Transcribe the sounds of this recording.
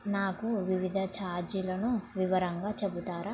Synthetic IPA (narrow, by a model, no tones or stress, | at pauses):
naːkuʋiʋid̪ʱɐt͡ʃaːɾd͡ʒilɐnuʋiʋɐɾɐŋɡaːt͡ʃebut̪aːɾaː